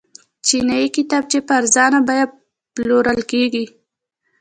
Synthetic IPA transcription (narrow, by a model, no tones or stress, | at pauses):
t͡ʃinɑikit̪ɑb̚t͡ʃepaɾzɑnabɑjad̪̚ | ploɾəlkeɡi